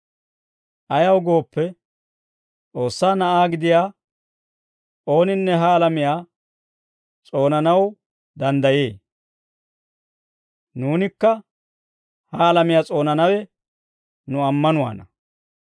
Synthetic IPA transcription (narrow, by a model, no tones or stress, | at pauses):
ʔɐjɐwɡo̞ːpːɛ | t͡sʼo̞ːsːaːnɐʔaːɡɪd̪ɪjaː | o̞ːnɪnːɛɦɐːlɐmɪjaː | t͡sʼo̞ːnɐnɐw | d̪ɐnd̪ɐjeː | nuːnɪkːɐ | hɐːlɐmɪjaːt͡sʼo̞ːnɐnɐwɛ | nʊɐmːɐnʊwa̰ːnɐ